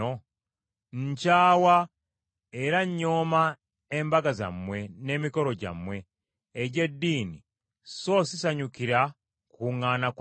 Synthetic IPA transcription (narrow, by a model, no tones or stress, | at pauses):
o | ɲ̩caːwa | eɾaɲːoːma | embaɡaza̰mwe̞ne̞ːmiko̞ɾo̞ɟa̰mwe̞ː | ɟe̞dːiːni | so̞sisaɲukiɾa | kuŋaːnak